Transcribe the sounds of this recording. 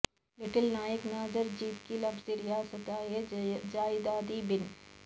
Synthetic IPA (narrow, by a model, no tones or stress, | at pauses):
lɪʈɪlnaːjəknaːzəɾd͡ʒiːt̪kilɐbziɾɪjaːsɐt̪aːjed͡ʒaːɪd̪aːd̪ibɪn